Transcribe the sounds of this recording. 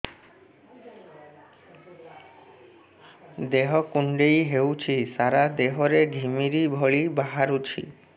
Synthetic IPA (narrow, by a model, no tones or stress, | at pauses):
d̪eɦɔkuɳɖejɦewt͡ɕʰisaɾad̪eɦɔɾeɖʱimiɾibʱɔɭibaɦaɾut͡ɕʰḭ